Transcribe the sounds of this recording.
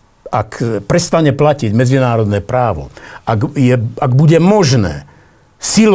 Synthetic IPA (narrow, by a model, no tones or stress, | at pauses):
ʔakpɾɛst̪aɲɛplaciɟmɛd͡zinaːɾɔd̪nɛːpɾaːʋɔ̰aɡjɛaɡbuɟɛmɔʒnɛ̰ː | sil